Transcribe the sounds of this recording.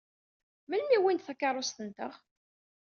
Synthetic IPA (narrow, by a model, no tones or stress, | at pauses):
məlːiwint̪θækːɑɾˤost̪ənt̪əʁ